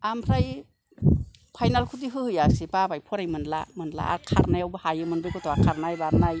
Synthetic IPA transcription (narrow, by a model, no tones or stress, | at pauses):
ampʰɾaj | pʰajnalkʰudiɦɯhɯjasebabajpʰɔɾajmɯnla̰mɯnla̰a̰ɾkʰa̰ɾnajawbɯhajɯmɯnbɯjkʰɔtʰɔakʰaɾnajbaɾnaj